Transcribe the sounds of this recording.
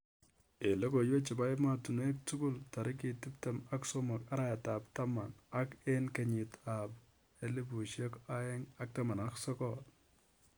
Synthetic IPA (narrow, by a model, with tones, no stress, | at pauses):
e˨lo˦ko˨jwe˦t͡ʃi˨ba˦jma˨tu˨nwe˦k̚tu˦ɡʊ˦lta˨ɾi˦k̬i˨ti˦pte˨ma˦kso˦mɔ˨ka˦ɾa˦a˨ta˨pta˦ma˨na˦ke˦nke˨ɲɪ˨ta˨p | e˦li˦bu˨ʃje˦ka˦ɛ˦ŋa˦k̚ta˦ma˨na˦ksɔ˦kɔt